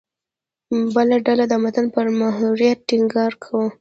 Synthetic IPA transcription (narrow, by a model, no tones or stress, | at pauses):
bəlaɖalad̪əmat̪anpəɾmaɦuɾijat̪̚ːɪŋɡɑɾkʰawu